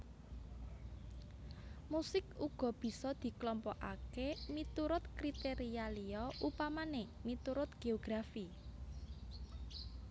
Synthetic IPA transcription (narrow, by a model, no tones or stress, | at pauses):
musɪkuɡ̥ɔ̤b̥i̤sɔd̪̥i̤klɔmpɔʔakemit̪uɾʊt̪kɾit̪eɾialiɔʔupamanemit̪uɾʊt̪̚ɡ̥eoɡ̥ɾafi